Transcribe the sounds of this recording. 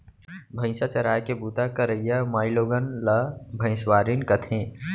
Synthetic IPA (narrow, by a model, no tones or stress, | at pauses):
bʱə̃ɪ̃sat͡ʃɐɾaːjkebuːt̪akɐɾəijamaːɪloːɡənlɐbʱə̃ɪ̃swaːɾinkɐt̪ʰẽː